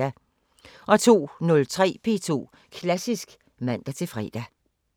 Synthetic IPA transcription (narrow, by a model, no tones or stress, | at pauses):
æ | ʔɒ̽t͡sʰo̝̰ːnɔ̽lt͡sʰʁɛ̰ːpʰe̝̰ːt͡sʰo̝̰ː | kʰlæsisɡ̥ | mæn̰d̥æt͡sʰe̝fʁɛ̰d̥æ